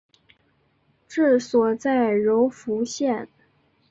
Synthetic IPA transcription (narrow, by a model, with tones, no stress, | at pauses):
ʈ͡ʂɻ̩˥˩swɔ˨˩t͡sa˥˩ɪɻo˧˥ʊfu˧˥ɕjɛ˥˩n